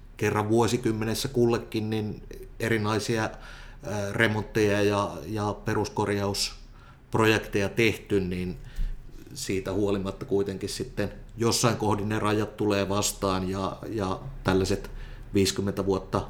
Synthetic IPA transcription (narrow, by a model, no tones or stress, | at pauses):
kerːɑʋʋuosikymːenesːækulːekːinninerinɑisiɑ | remont̪ːejɑjɑjɑperuskorjɑus | projekt̪ejɑt̪eht̪ynnin | siːt̪æhuolimɑt̪ːɑkuit̪eŋkissit̪ːenjosːɑiŋkohdinnerɑjɑt̪t̪uleːʋɑst̪ɑːnjɑjɑt̪ælːæset̪ | ʋiːskymːent̪æʋuot̪ːɑ